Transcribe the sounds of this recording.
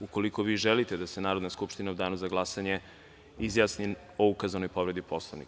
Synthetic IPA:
uko̞liko̞ʋiːʒelit̪ed̪asenaːɾod̪naskupʃt̪inaud̪aːnuzaɡlˠasaɲe̞ | izjaːsni | oukazano̞jpo̞ʋɾe̞d̪ipʰo̞slˠoʋnḭk

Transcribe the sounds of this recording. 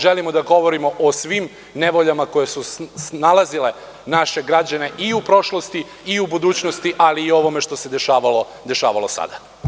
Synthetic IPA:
ʒelimo̞d̪aɡo̞ʋoɾimo̞ʔosʋim | ne̞ʋoʎamako̞jesusnalˠazile̞ | naʃe̞ɡɾad͡ʑane̞ʔiupɾo̞ʃlˠo̞st̪i | iubud̪uːt͡ɕnost̪iʔaliːo̞ʋo̞me̞ʃt̪o̞se̞d̪eʃaːʋalo | d̪eʃa̰ːʋalˠo̞sa̰d̪a

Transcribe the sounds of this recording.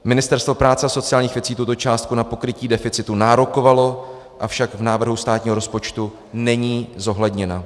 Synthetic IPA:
mɪnɪst̪ɛɾst̪vo̞pɾaːt͡sɛaso̞t͡sɪaːlɲiːxvjɛt͡siːt̪ut̪o̞t͡ʃaːst̪kunapo̞kɾɪciːdɛfɪt͡sɪt̪unaːɾo̞ko̞valo̞ | ʔafʃaɡvnaːvr̩ɦust̪aːt̪ɲiːɦo̞ɾo̞spo̞t͡ʃt̪u | nɛɲiːzo̞ɦlɛdɲɛna

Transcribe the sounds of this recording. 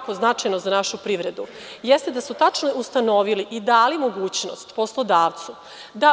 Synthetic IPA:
koznat͡ʂajnozanaʃupɾiʋɾed̪u | jest̪ed̪asut̪at͡ʂnoʔust̪ano̞ʋiliʔid̪aːlimoɡuːt͡ɕno̞̰st̪po̞slˠo̞d̪aːʋt̪su | d̪a

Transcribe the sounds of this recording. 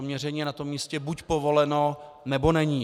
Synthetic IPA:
amɲɛrɛɲiːɛnat̪o̞mːiːscɛbucpovo̞lɛno̞ | nɛbo̞nɛɲiː

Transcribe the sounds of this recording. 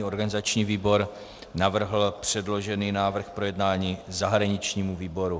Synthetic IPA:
o̞ɾɡanɪzat͡ʃɲiːviːbo̞ɾ | navr̩ɦl̩pr̝̥ɛdlo̞ʒɛniːnaːvr̩xpɾojɛdnaːɲiːzaɦɾaɲɪt͡ʃɲiːmuviːbo̞ɾu

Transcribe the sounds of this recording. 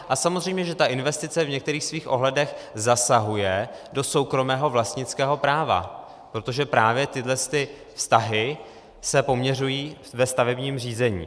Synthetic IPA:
ʔasamozr̝ɛjmɲɛʒɛt̪aʔɪnvɛst̪ɪt͡sɛvɲɛkt̪ɛɾiːxsviːxʔo̞ɦlɛdɛxzasaɦujɛ | do̞so̞wkɾo̞mɛːɦo̞vlast̪ɲɪt͡skɛːɦo̞pɾaːva̰ | pɾo̞t̪o̞ʒɛpɾaːvjɛt̪ɪdlɛst̪ɪ | fst̪aɦɪ | sɛpo̞mɲɛr̝ujiː | vɛst̪avɛbɲiːmr̝iːzɛɲḭː

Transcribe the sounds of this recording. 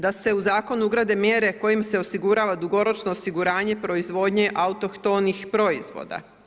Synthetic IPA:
d̪ase̞uzaːko̞nuuɡɾaːd̪e̞mjeɾe̞ko̞jimse̞o̞siɡuɾaːʋad̪uɡo̞ɾo̞t͡ʃno̞ːsiɡuɾaːɲe̞pɾo̞izʋo̞ːd̪ɲe̞ʔaut̪o̞kt̪o̞nixpɾo̞izʋo̞̰ːd̪a̰

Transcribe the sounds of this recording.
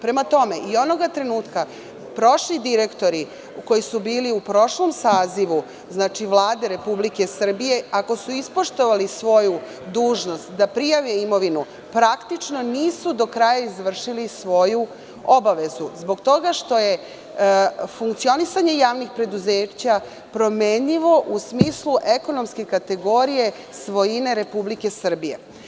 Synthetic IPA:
pɾe̞mat̪o̞me̞ʔio̞no̞ɡat̪ɾe̞nuːt̪ka | pɾo̞ʃlid̪iɾe̞kt̪o̞ɾi | ko̞jisubiːliupɾo̞ʃlo̞msaːziʋu | znaːt͡ʃiʋlˠaːd̪eɾe̞publike̞sr̩bije̞ako̞suispo̞ʃt̪o̞ʋalisʋo̞ju | d̪uːʒno̞st̪d̪apɾijaʋeimo̞ʋinu | pɾakt̪it͡ʃno̞niːsud̪o̞kɾaːjaizʋr̩ʃilisʋo̞ju | o̞baʋe̞zuzbo̞ɡt̪o̞ɡaʃt̪o̞je̞ | fuŋkt̪sio̞nisaɲe̞jaːʋnixpɾe̞d̪uze̞ːt͡ɕa | pɾo̞me̞ːɲiʋo̞ʔusmiːsluʔe̞ko̞no̞mske̞kat̪e̞ɡo̞ɾije̞ | sʋo̞jine̞ɾe̞publike̞sr̩bije̞̰

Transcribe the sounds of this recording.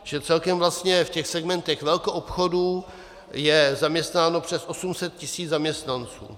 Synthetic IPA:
ʒɛt͡sɛlkɛmvlast̪ɲɛfcɛxsɛɡmɛnt̪ɛxvɛlkoʔopxoduː | jɛzamɲɛst̪naːno̞pr̝̥ɛsʔo̞sumsɛt̪̚cɪsiːd͡zzamɲɛst̪nant͡sṵː

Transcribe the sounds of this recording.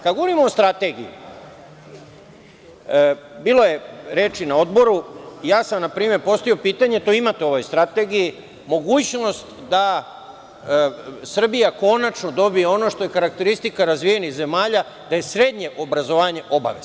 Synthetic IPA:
kad̪ɡoʋo̞ɾimo̞ost̪ɾat̪e̞ɡḭjṵ | biːlˠo̞je̞ɾe̞ːt͡ʃinao̞d̪bo̞ɾujaːsamnapɾiːme̞ɾpo̞st̪oiopiːt̪aɲe̞t̪oimat̪eo̞ʋo̞jst̪ɾat̪e̞ɡiji | mo̞ɡuːt͡ɕno̞st̪ | d̪a | sr̩bijako̞nat͡ʃno̞d̪o̞bijeo̞no̞ʃt̪o̞je̞kaɾak̚t̪e̞ɾist̪ikaɾazʋije̞nixze̞maːʎa | d̪̥aje̞sɾe̞d̪ɲe̞ʔo̞bɾazo̞ʋaːɲe̞ʔo̞ba̰ʋe̞̰z

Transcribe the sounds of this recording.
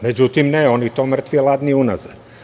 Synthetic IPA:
me̞d͡ʑut̪imneo̞nit̪oːmr̩t̪ʋielˠad̪niunaz̥a̰d̪

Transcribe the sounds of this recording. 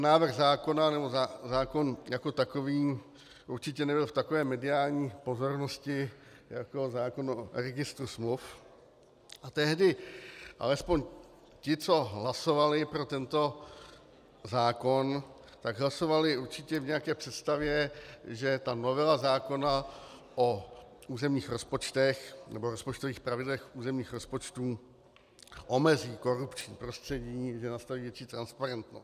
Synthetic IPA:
naːvrɣzaːko̞nanɛbo̞zazaːko̞njako̞t̪akoviː | ʔuɾt͡ʃɪcɛnɛbɪlft̪akovɛːmɛdɪaːlɲiːpo̞zo̞ɾnoscɪjakozaːko̞nɾɛɡɪst̪ɾusmluf | ʔat̪ɛɦdɪʔa̰lɛspoɲ | cɪt͡so̞ɦlaso̞valɪpɾo̞t̪ɛnt̪o̞ | zaːko̞n | t̪aɡɦlaso̞valɪuɾt͡ʃɪcɛvɲɛjakɛːpr̥ɛt̪st̪avjɛʒɛt̪ano̞vɛlazaːko̞na | ʔo | uːzɛmɲiːxɾo̞spo̞t͡ʃt̪ɛxnɛboɾospo̞t͡ʃt̪oviːxpɾavɪdlɛxuːzɛmɲiːxɾo̞spo̞t͡ʃt̪uː | ʔomɛziːko̞ɾupt͡ʃɲiːpɾo̞st̪r̥ɛɟiːʒɛnast̪aviːvjɛt͡ʃiːt̪ɾanspaɾɛnt̪nostt̪

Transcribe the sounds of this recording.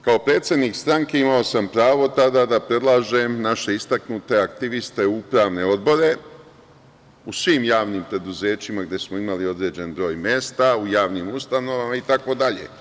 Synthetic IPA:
kao̞pɾe̞ːt̪sje̞d̪niːkst̪ɾaŋke̞imao̞sampɾaːʋo̞t̪ad̪aːd̪apɾe̞d̪lˠaːʒemnaʃe̞ist̪aknut̪e̞akt̪iʋist̪e̞upɾaːʋne̞o̞d̪bo̞ɾe̞ | usʋiːmjaːʋniːmpɾe̞d̪uze̞ːt͡ɕimaɡd̪je̞smo̞imalio̞d̪ɾe̞ːd͡ʑe̞nbɾo̞ːjmje̞ːst̪aujaːʋniːmust̪ano̞ʋamait̪ako̞d̪aʎe̞̰

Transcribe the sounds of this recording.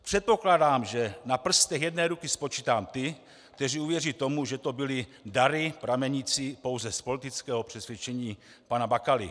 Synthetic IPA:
pr̝̥ɛt̪̚po̞klaːdaːmʒɛnapr̩st̪ɛxjɛdnɛːɾukispo̞t͡ʃiːt̪aːmt̪ɪ | k̚t̪ɛriːuvjɛriːt̪o̞muʒɛt̪o̞bɪlɪdaɾɪpɾamɛɲit͡sipo̞wzɛspo̞lit̪it͡skɛːɦopr̝̥ɛsʋjɛt͡ʃɛɲiː | panabakalɪ̰

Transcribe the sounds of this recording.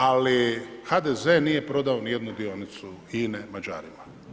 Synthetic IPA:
alixad̪ezenije̞pɾo̞d̪aonije̞d̪nud̪io̞nit̪suiːnemad͡ʒa̰ːɾima

